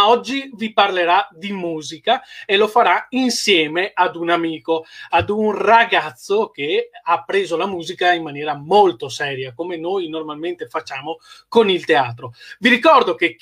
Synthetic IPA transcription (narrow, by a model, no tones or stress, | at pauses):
ɔd͡ʒːiviparleɾad̪imuːzikaelofaɾainsjɛːmead̪unamiːkoad̪unraɡat̪sːokeapːɾeːzolamuːzikaimmanjɛːɾamolt̪osɛːɾjakomenojnormalment̪efat͡ʃːaːmokonilt̪eaːt̪ɾoviɾikɔrd̪oke